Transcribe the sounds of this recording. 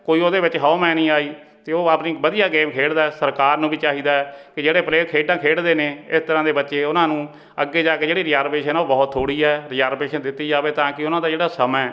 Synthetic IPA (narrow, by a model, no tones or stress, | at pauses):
koːiːoːd̪eːʋɪt͡ʃɦaoːmɛ̃ːnĩːaːiː | t̪eːoːaːpniːbəd̪ijaːɡeːmkʰeːɽd̪aːɛːsəɾkaːɾnũːbiːt͡ʃaːɦiːd̪aːɛːkɪd͡ʒeːɽeːpleːkʰeːɖãːkʰeːɽd̪eːneːɪst̪əɾãːd̪eːbətːʃeːʊnãːnũː | əɡːeːd͡ʒaːkeːd͡ʒeːɽiːɾɪaːɾpeːʃənoːbɔːt̪ʰːoːɽiːɛːɾɪaːɾpeːʃənd̪ɪt̪ːiːd͡ʒaːʋeːt̪ãːkɪʊnãːd̪aːd͡ʒeːɽaːsəmɛː